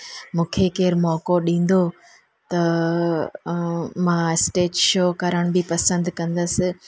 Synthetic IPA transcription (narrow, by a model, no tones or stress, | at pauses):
mũːkʰekeːɾmɔːkoɗĩːn̆d̪o | t̪ɐ | mãɪsʈeːʈʃoːkɐɾəɽ̃bɪpɐsə̃nd̪kɐ̃nd̪əsɪ̆